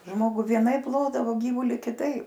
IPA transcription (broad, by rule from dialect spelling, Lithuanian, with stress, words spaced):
ˈʒmoːɡʊ ʋʲiɛˈnɐɪp ˈlˠoːdɐʋoː ˈɡʲiːʋuːlʲiː kʲɪˈtɐɪp